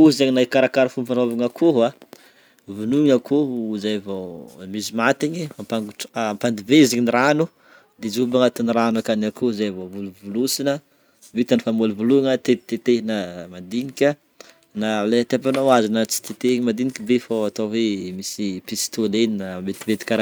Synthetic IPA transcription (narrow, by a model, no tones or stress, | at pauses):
uzaɲinaikaɾakaɾafumpanovaŋakʰuɦa | vunuɲakozajvomizimat̪iɲiampaŋɡuampand̪iveiziɲiniɾanu | d̪ezubaŋat̪iniɾanakanakozajvovuluvulusinə | vit̪anifamolivuluŋat̪et̪et̪enamand̪inikʲa | naleat̪eap̬anawazinət͡si̥t̪et̪eɲmand̪inikʲibefoat̪aɦemisipisi̥t̪oleninamet̪ivet̪i̥kaɾa